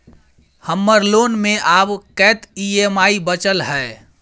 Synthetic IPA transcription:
həmːəɾloːnmẽʔaːbkɛːt̪iemaːibət͡ʃəlɦɛː

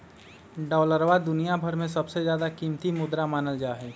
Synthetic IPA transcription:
ɖɔːləɾʋad̪ʊnijabʱəɾmẽs̬ɐbsezjaːd̪akiːmt̪imʊd̪ɾamaːnəld͡ʒaːɦɛː

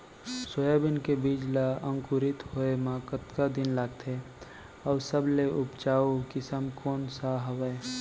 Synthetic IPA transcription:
soːjabɪnkebiːd͡ʒlaə̃ŋkʊɾɪt̪hoemãːkət̪kad̪ɪnlaːɡ̚t̪ʰe | ɔːɾsəbleʔʊpt͡ʃaːukɪsəmkɔːnsaɦəwɛ

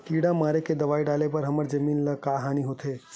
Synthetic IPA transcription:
kiɽamaɾeked̪əʋaːiɖalepəɾɦəməɾd͡ʒəmiːnləkaɦaniɦot̪ʰe

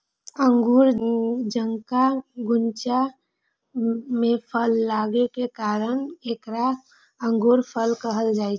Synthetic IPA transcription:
əŋɡuɾd͡ʒəŋkaɡunt͡ʃa | mepʰəlːaɡekekaɾənekɾa | əŋɡuɾpʰəlkəɦəld͡ʒajt͡ʃʰ

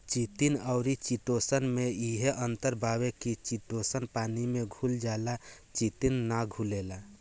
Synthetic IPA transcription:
t͡ʃit̪inəʊɾit͡ʃit̪osənmeiɦeʔənt̪əɾbʱabekit͡ʃit̪osənpanimeɡʱuld͡ʒaela | t͡ʃit̪inːaɡʱulela

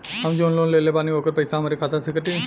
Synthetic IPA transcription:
ɦəmd͡ʒoːnloːnleːlepaːnioːkəɾpɐɪsaɦɐmaːɾikʰaːt̪asɪkəʈ̪i

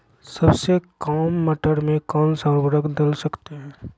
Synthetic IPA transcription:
sɐbsekaːmːɐʈəɽmẽkaːlsaːbəɾəkd̪əlsɐkt̪eɦɛ̃ː

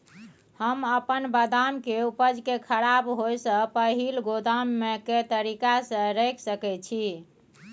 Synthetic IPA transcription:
həməpənbəd̪amkeupəd͡ʒkekʰəɾabɦojsə̃pəɦilɡod̪amːeket̪əɾikasə̃ɾɛkʰsəkɛt͡ʃʰi

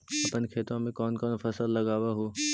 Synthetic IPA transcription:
ɐpənkʰeːt̪õmẽkɔːnkɔːnfɐsəlːɐɡaːwaɦoː

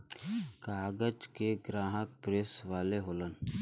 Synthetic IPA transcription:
kaːɡəd͡ʒkeɡɾãːɦək̚pɾeːsʋaːleɦoːlən

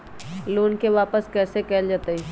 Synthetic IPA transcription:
loːnkeʋaːpəskɛːsekɛːld͡ʒaːt̪əi

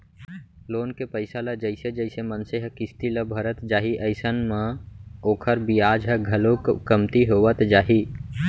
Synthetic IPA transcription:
loːnkepəɪsaləd͡ʒəɪsed͡ʒəɪsemənseɦəkist̪iləbʱəɾət̪d͡ʒaːɦiʔəɪsənmeoːkʰəɾbiaːd͡ʒɦəɡʱəlokəmt̪iɦoʋət̪d͡ʒaːɦi

